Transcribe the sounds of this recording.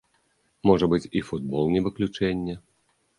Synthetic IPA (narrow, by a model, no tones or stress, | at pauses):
mɔʐɐbɨt͡sʲifud̪̚bɔlˠnʲɛvɨklʲut͡ʂɛnʲːɛ